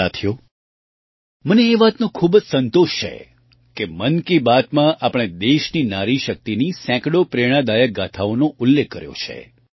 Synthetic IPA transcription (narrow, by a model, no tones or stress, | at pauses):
at̪ʰjo | məneːʋat̪nõkʰubd͡ʒsənt̪oʃt͡ʃʰḛ | kemənkibat̪mãʔapəɽ̃ed̪eʃninaɾiʃək̚t̪inisɛ̃kɽopɾeɽ̃ãd̪ajəɡat̪ʰaonoʔʊlːekːəɾjo̰t͡ʃʰḛ